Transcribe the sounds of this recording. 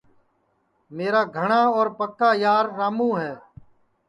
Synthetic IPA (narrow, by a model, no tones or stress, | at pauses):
meːɾaːɡʱəɳaːɔːɾpəkːaːjaːɾːaːmũːɦɛː